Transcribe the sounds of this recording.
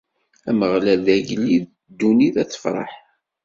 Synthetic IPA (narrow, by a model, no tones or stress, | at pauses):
æməʁlæðæʝlːið | d̪ːuniðæθə̥fɾˤɑ̰ħ